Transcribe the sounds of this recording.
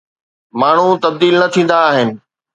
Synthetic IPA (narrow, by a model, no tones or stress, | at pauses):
maːɳ̤ut̪ɐb̚d̪iːlnɐt̪ʰĩːn̆d̪aːɦɪnɪ̆